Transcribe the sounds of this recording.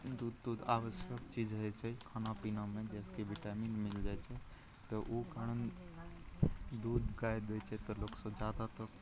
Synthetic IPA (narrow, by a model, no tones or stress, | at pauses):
d̪uːd̪ud̪aːʋəʃjəkt͡ʃid͡ʒɦɛt͡ʃʰɛkʰaːnapinamẽd͡ʒɛskiʋiʈaminmɪld͡ʒajt͡ʃʰe | t̪əʔukaɽən | d̪uːd̪ɡajd̪et͡ʃʰet̪ɔloksə̃d͡ʒad̪at̪ə